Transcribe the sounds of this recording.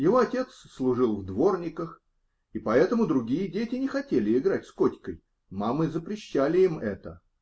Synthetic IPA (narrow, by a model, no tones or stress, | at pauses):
jɪvo̞ɐtʲe̞t̪sslˠʊʐɨlˠvd̪vo̞rnʲɪkəx | ipɐɛt̪əmʊd̪ɾʊɡʲijədʲetʲɪnʲɪxɐtʲelʲɪɪɡɾatʲskotʲkəj | mamɨzəpɾʲɪɕːælʲɪimɛt̪ə